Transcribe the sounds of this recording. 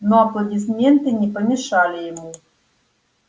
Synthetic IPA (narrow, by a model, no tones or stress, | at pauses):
noaplˠodʲis̬ʲmʲent̪ɨnʲepəmʲeʃɑlʲɪjemu